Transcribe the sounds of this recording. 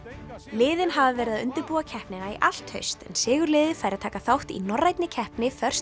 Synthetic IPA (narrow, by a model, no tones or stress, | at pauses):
lɪːðɪnɦavavɛːɾɪðaðʏnt̪ɪɾpuːacʰɛhpnɪnaḭʔal̥t̪hœ̰ɥst̪ɛ̰nsɪːɣʏɾlɪːðɪfaːjɾɪat̪ʰaːkaθawht̪ḭnɔrːajt̪nɪcʰɛhpnɪfœr̥s